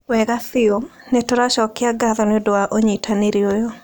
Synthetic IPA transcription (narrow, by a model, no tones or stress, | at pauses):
wɛɡaθɪomnetoɾaʃɔkɪaɡaðɔnɪodɔaʔoɲitʰaneɾjojo